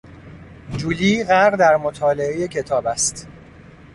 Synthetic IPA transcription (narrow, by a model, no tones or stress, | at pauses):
d͡ʒuːliːɣæɾʁd̪æɾmot̪ʰɒːle̞eje̞cʰe̞t̪ʰɒːbæst̪